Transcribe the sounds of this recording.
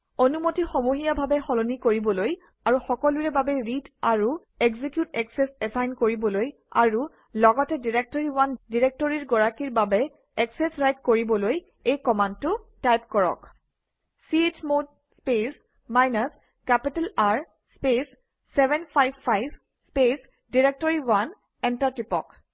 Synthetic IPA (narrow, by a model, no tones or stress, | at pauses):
onumotixɔmuɦijabʱabɛxɔlonikoɹibɔloj | aɹuxɔkɔluɹɛbabɛɹitaɹu | eɡzikjutɛksɛsɛsajnkoɹibɔloj | a̰ɹu | lɔɡɔtɛdiɹek̚tɔɹiwandiɹek̚tɔɹiɹɡɔɹakiɹbabɛ | ɛksɛsɹajt̚koɹibɔloj | ejkɔmandtʊtajp̚kɔɹɔ̰k | siet͡ʃmod̚ | spes | majnas | kɛpitɛlaɹ | spesː | ɛbɛnpʰajbpʰajb | spes | diɹek̚tɔɹiwan | ɛntaɹtipɔ̰k